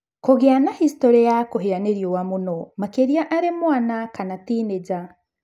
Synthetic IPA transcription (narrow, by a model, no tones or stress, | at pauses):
koɣeanahistoɾejakoɦeɾaneɾjowamunomakeɾiaʔaɾemwaːnakanatiːneɟa